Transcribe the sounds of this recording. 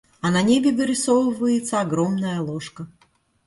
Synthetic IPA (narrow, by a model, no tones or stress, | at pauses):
ɐnɐnʲebʲɪɡəɾʲɪsovɨvəjɪt̪səɐɡɾomnəjəlˠɔʂkə